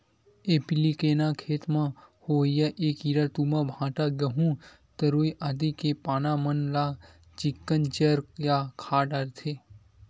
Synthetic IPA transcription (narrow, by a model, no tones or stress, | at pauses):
eːpilikeːnakʰeːt̪mãhoːjəʔeːkiːɾəɾt̪umãbʱãːʈaɡɐɦũ | t̪əɾoːiʔad̪ikepaːnamənla | t͡ʃɪkːənt͡ʃəɾjaːkʰaːɖaɾt̪ʰeː